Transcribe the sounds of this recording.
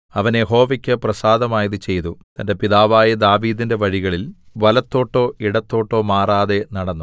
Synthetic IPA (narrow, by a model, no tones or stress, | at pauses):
ɐʋɐnjeɦo̞ːʋɐkʲːɨprɐsaːd̪ɐmaːjɐðɨt͡ɕe̞jt̪ut̪ɐnde̞piðaːʋaːjɐd̪aːʋiːðinde̞ʋɐɻiɣɐɭilʋɐlɐt̪ːo̞ːʈːo̞ːʔiɽɐt̪ːo̞ːʈːo̞ːmaːraːðe̞nɐɽɐnːu